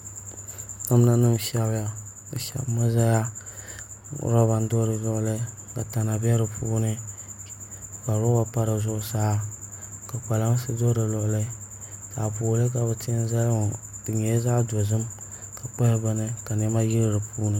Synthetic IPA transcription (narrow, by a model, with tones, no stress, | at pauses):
a˦m˦na˦nɨ˦m˨ʃɛ˦bja˦ | bɨ̰˨ʃa̰˨bma˦za˦ja˦ | ɾɔ˦ba˨n̩˦do˦ɾɨ˨lɔ˦ʔʊ˦lɨ˦ | ka̰˨ta˨na˨bɛ˦ɾɨ˨pʰuː˦nɨ˦ | ka˨ɾɔ˦wa˦pa˦ɾɨ˨zʊ˦ʔʊ˦saː˦ | ka˨k͡pa˨la˦ŋ˦sɨ˦do˦ɾɨ˨lɔ˨ʔʊ˦lɨ˦ | sa̰˨puː˨˦lɨ˦k̬a˨bɨ˨tɪ˦za˦lŋ˨dɨ˨ɲɛ˨˦za˦do˨zɨ˦m | ka˨k͡pɛ˦hɪ˦ba˦nɨ˦ka˨n˨ɛ˦ma˦ji˦ɾɨ˦ɾɨ˨puː˦nɨ˦